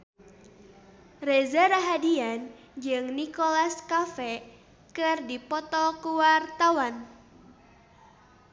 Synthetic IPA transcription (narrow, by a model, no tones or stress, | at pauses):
rezaɾaɦadian | d͡ʒɨŋnikolaskafɛ | kɨrdipɔt̪ɔkuwart̪awan